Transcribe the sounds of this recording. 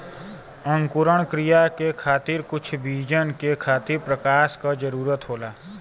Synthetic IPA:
ə̃ŋkʊɾəɳ̃kɾijakekʰaːt̪ɪɾkʊt͡ʃʰbiːd͡ʒənkekʰaːt̪ɪɾpɾəkaːʃkad͡ʒəɾuːɾət̪ɦoːlaː

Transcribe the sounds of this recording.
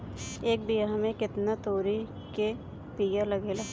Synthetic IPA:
eːk̚bijamẽkɪt̪nat̪oːɾi | ke | piːjalɐɡeːlaː

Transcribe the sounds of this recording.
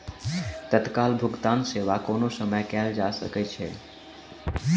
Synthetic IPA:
t̪ət̪kaːlbʱʊɡt̪aːnseːʋakoːnosəməjkɛːld͡ʒasə̰kɛt͡ʃʰɛ̰

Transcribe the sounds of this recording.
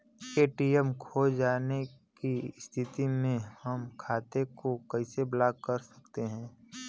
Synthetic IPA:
keːʈiəmkʰoːd͡ʒaːnekist̪ʰɪt̪imẽhɐmkʰaːt̪ekokəɪseblaːɡ̚kəɾsə̥kt̪eɦɛ̃ː

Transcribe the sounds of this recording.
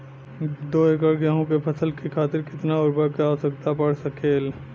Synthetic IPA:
d̪oːeːk̬əɾɡɛɦõkepʰɐsəlkikʰaːt̪ɪɾkɪt̪naʊɾbəkaːəsəkt̪apɐɽ̤sɐkʰeːl

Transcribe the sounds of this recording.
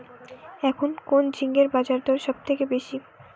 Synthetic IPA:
ɛkʰonkond͡ʑʱiŋɡeɾbad͡ʑaɾd̪ʱɔɾʃɔb̚t̪ʰekebeʃi

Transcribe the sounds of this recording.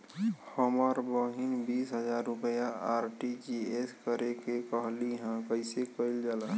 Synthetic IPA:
həmaɾbɔɦinbiːsɦəd͡ʒaːɾːʊpəjaaːɾʈid͡ʒieskəɾekekəɦliɦãkəɪsekəild͡ʒaːla

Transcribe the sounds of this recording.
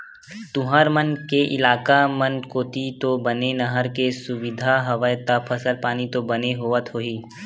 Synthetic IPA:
t̪ʊɦəɾmənkeʔɪlaːkamənkoːt̪it̪obɐnenɐɦəɾkesʊʋɪd̪ʱaɦɐʋəjt̪apʰəsəlpaːnit̪obɐneɦoːʋət̪ɦoːiː

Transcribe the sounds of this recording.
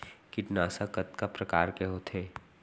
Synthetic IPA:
kɪʈnaːsakɐt̪kapɾɐkaːɾkeɦot̪ʰeː

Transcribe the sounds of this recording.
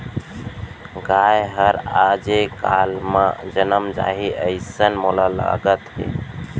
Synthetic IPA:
ɡajɦəɾad͡ʒekalmad͡ʒənəmd͡ʒa̰ɦiʔəɪsənmoləla̰ɡət̪ɦḛ

